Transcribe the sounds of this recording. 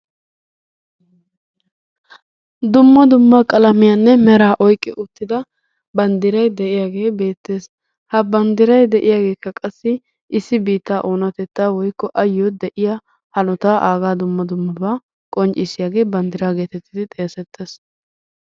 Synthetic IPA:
d̪ʊmːɐd̪ʊmːɐkʼɐlɐmɪjanːɛmɛɾaːʔɔjkʼːɪʔʊt̪ːɪd̪ɐ | bɐnd̪ɪɾɐjd̪ɛʔɪjaːɡe̞ːbe̞ːt̪ːe̞ːs | hɐbɐnd̪ɪɾɐjd̪ɛʔɪjaːɡe̞ːkːɐkʼɐsːɪ | ʔɪsːɪbiːt̪ːaːʔoːnɐt̪ɛt̪ːaːwɔjkːɔʔɐjːɔd̪ɛʔɪja | hɐlɔt̪aːʔaːɡaːd̪ʊmːɐd̪ʊmːɐbaː | kʼɔnt͡ʃʼɪsɪjaːɡe̞ːbɐnd̪ɪɾaːɡe̞ːt̪ɛt̪ʰːɪd̪ɪt̪ʼɛjɐsɛt̪ʰːeːs

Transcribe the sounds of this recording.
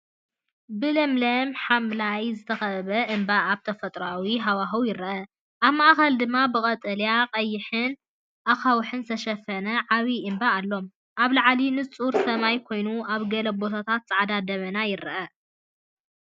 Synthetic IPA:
bɨlɐmlɐmħamlajzɨt̪ʰɐxɐββɐʔɨmbaaβt̪ʰɐfɐt̪ʼɾawiɦawaɦɐwjɪɾɐʔɐ | ʔaβmaʔxɐld̪ɨmːabɨkʼɐt̪ʼɐljaqʼɐjːɪħɨn | ʔaxawħɨnt̪ʰɐʃɐfɐnɐʕaβiɨmbaːlːo̞m | ʔaβlaʕalinɨt͡sʼuɾsɐmajkʰo̞jnuaβɡɐlɐbo̞t̪ʰat̪ʰat̪zʼɐʕad̪ad̪ɐβɐnajɪɾɐʔɐ

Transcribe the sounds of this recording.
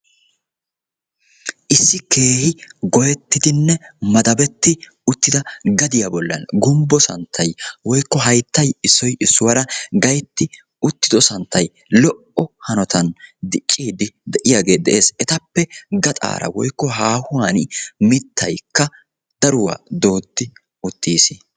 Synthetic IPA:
ʔɪsːɪke̞ːhɪɡɔjɛt̪ːɪd̪ɪnːɛmɐd̪ɐbɛt̪ːɪ | ʊt̪ːɪd̪ɐɡɐd̪ɪjabɔlːɐ̰nɡʊmbɔsɐ̰nt̪ʰːɐjwɔjkːɔɦɐjt̪ːɐjɪsːɔjʔɪsːʊwɐɾɐɡɐjt̪ːɪ | ʊt̪ːɪd̪ɔsɐnt̪ʰːɐj | lɔʔɔhɐnɔt̪ɐnd̪ɪt͡ʃʼːiːd̪ɪd̪ɛʔɪjaːɡe̞ːd̪ɛ̰ʔe̞ːsɛt̪ɐpːɛɡɐt̪ʼa̰ːɾɐ̰wɔjkːɔɦaːhʊwaːnmɪt̪ʰːɐ̰jkːɐ | d̪̥ɐɾʊwa̰ːd̪o̞ːt̪ːɪ | ʊt̪ːiːs

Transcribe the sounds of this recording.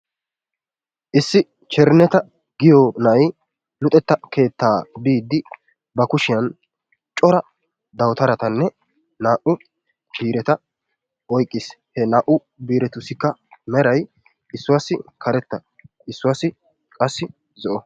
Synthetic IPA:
ʔɪsːɪ | t͡ʃɛɾnɛt̪ɐ | ɡɪjɔnɐj | lʊt̪ʼɛt̪ːɐkʰe̞ːt̪ːaːbiːd̪ːɪ | bɐkʊʃɪjɐn | t͡ʃʼɔɾɐ | d̪ɐwt̪ɐɾɐt̪ɐnːɛ | naːʔʊ | b̥iːɾɛt̪ɐ | ɔjkʼːɪs | hɛnaːʔʊ | biːɾɛt̪ʊsɪkːɐmɛɾɐj | ʔɪsːʊwaːsːɪkʰɐɾɛt̪ːɐ | ɪsːʊwaːsːɪ | kʼɐsːɪ | zɔʔɔ

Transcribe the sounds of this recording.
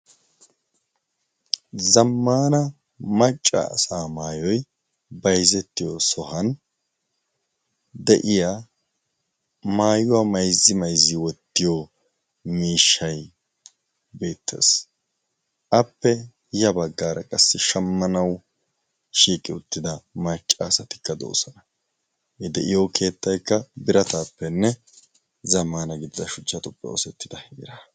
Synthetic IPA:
zɐmːaːnɐ | mɐt͡ʃʼːɐ̰ːsaːmaːjɔj | bɐjzɛt̪ːɪjɔsɔhɐn | d̪ɛʔɪja | maːjʊwɐmɐjzːɪmɐjzɪwɔt̪ːɪjɔ | miːʃːɐj | be̞ːt̪ʰːḛːs | ʔɐpːɛ | hɪjɐbɐɡːaːɾɐkʼɐsːɪʃɐmːɐnɐw | ʃiːkʼɪʊt̪ːɪd̪ɐmat͡ʃʼːaːsɐt̪ɪ̥kːɐd̪o̰ːsɐnɐ | ɛd̪ɛʔɪjokʰe̞ːt̪ːɐjkːɐbɪɾɐt̪aːpːɛnːɛ | zɐmaːnɐɡɪd̪ɪd̪ɐʃʊt͡ʃːɐt̪ʼʊpʼːɛ̰ɔ̰sɛt̪ːɪd̪ɐheɾɐ

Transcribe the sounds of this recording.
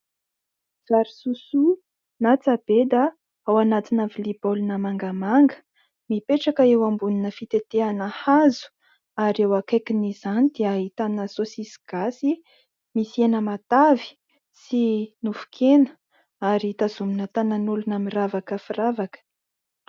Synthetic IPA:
z̥aɾisusu | nat͡sab̥ed̪a | awanat̪inavilibolunəmaŋɡəmaŋɡə̥ | mipeʈ͡ʂakəewambuninəfit̪et̪eanəhazu̥ | aɾewakakinizanid̪eaɦit̪anəsosisi̥ɡ̥asi | misienəmat̪avi̥ | sinufu̥kʰenə | aɾit̪azuminət̪ananulunamiravakəfiravakə̥

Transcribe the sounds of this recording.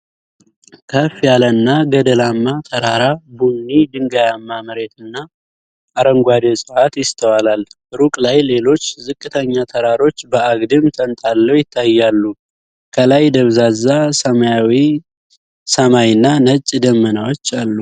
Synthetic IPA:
kʰəfijalənːaɡəd̪əlamːat̪ʰəɾaɾabunːid̪ɨŋɡajamːamɨɾe̞t̪ɨnːaː | ɾəŋɡʷad̪esʼɨhat̪jɪst̪ʰəwalal | ɾukʼlajle̞lo̞t͡ʃːzɨkʼːɨt̪ʰəɲːat̪ʰəɾaɾo̞t͡ʃːbəaɡd̪ɨmt̪ʰənt̪ʼalːəwjɪt̪ʰːajːalːu | kʰəlajd̪əβzazːasəmajawi | səmajɨnːanət͡ʃʼːd̪əmːənawot͡ʃːalːu

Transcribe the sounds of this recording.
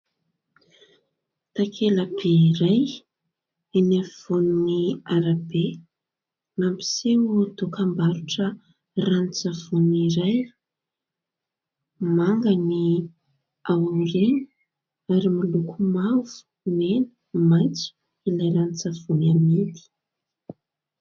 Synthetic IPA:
t̪akʰelabeɾaj | enav̥oniniaɾabe | nampi̥seut̪okambaɾuʈ͡ʂə | ranit͡sav̥uniɾaj | maŋɡani | awaŋɖ͡ʐenə | aɾimilukumavu̥ | menə̥ | majt͡su̥ | ilajɾanit͡sav̥unamed̪i̥

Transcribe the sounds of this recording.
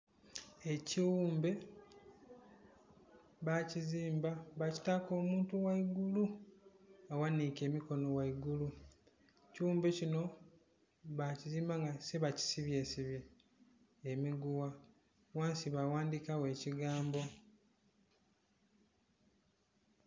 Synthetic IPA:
e̞ciwuːmbe̞ | βaciziːmbaβaci̥tako̞ːmuːntuwaiɡulu | awanike̞ːmiko̞no̞waiɡulu | ciwuːmbe̞cino̞ | βaciziːmbaŋɡase̞βaci̥siβje̞ːsiβjeː | miɡuwa | waːnsiβawaːndikawe̞ːciɡaːmbo̞

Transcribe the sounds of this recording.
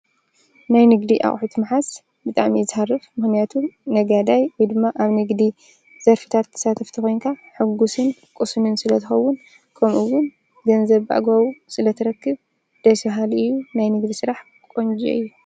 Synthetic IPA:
najnɨɡd̪iʔa̰χʼħut̪ʰmħas | bɨt̪ʼaʕmizɨharːɨfmɨxnijat̪ʰuːɐɡad̪ajwɔjd̪ɨmːaʔaβnɨɡd̪i | z̥ɐɾfɨ̥t̪ʰat̪ʰːɐ̥sat̪ʰɐft̪ʰɨxo̞jnkʰaħɨɡːusɨnkʼɨsmɨnsɨlɐt̪ʰɨxɐwːʊn | kʰɐmʔuwʊn | d̪ɐnzɐβa̰ʔɡoβusɨlɐt̪ʰɨɾɐkːɨβ | d̪̥ɐsɐɦalɨjːunajnɨɡd̪isɨɾaħ | kʼond͡ʒḭɨjːu

